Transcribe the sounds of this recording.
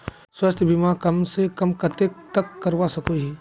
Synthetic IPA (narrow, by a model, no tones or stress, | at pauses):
swɐst̪ʰjəbʱimakɐmsekɐmkɐt̪ek̚t̪ɐkːɐɾʋasɐkoɦiː